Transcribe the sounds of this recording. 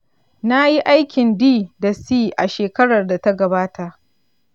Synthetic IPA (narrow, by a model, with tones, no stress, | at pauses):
na˦ji˦ʔa˦jkʲɪ˨ndiː˦da˨siː˦ʔa˨ʃeː˨kɐ˦ɽɐ˨rda˨ta˦ɡɐ˨baː˦ta˨ʔ